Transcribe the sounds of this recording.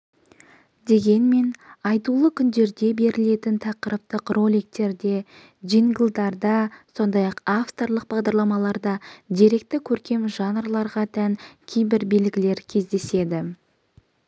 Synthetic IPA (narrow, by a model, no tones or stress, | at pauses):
d̪e̞ɡʲe̞nme̞nɑjt̪ulˠəkʲʰʏnd̪e̞ɾd̪e̞be̞ɾɪle̞t̪ɪnt̪ʰɑqəɾəp̚t̪əqro̞lʲijk̚t̪e̞ɾd̪e̞ | ʒiŋɡlˠd̪ɑɾd̪ɑso̞nd̪ɑjɑqaft̪o̞rlˠəq̚bɑʁd̪ɑɾlˠɑmɑlˠɑɾd̪ɑd̪ieɾe̞kt̪ɪkʲʰɵɾkʲe̞mʒɑnrlˠɑɾʁɑt̪ʰæŋkʲʰejbɪɾbe̞lɡʲɪle̞ɾkʲʰe̞zd̪e̞se̞d̪ɪ